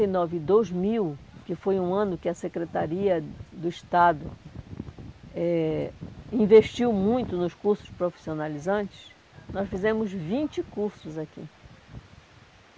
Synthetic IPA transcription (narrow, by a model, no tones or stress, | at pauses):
ejnɔvɪd̪ojzmiwkɪfojũɐ̃nʊkɪɐsekɾet̪aɾiɐd̪ʊɪʃt̪ad̪ʊ̰ | ɛ | ĩveʃt͡ʃiwmũj̃t̪ʊnʊskuɾsʊ̥spɾofi̥sionalizɐ̃nt͡ʃɪ̥s | nɔsfizẽmʊzvĩnt͡ʃɪkuɾsʊzakḭ